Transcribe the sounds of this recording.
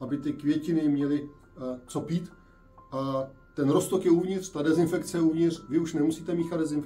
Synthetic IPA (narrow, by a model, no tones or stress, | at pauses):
ʔabɪt̪ɪkvjɛcɪnɪmɲɛlɪ | t͡sopiːt̪ | ʔa | t̪ɛnɾost̪okjɛuvɲɪt̪r̥t̪adɛzɪnfɛkt͡sɛjɛuvɲɪt̪r̝̥vɪuʃnɛmusiːt̪ɛmiːxad̪dɛzɪn